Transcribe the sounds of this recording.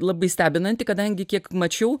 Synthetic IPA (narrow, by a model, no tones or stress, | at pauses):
lˠɐbɐɪsʲt̪ʲæːbʲɪnɐnʲt̪ʲɪkɐd̪ɐŋʲɡʲɪkʲiɛkmɐt͡ʃʲɛʊ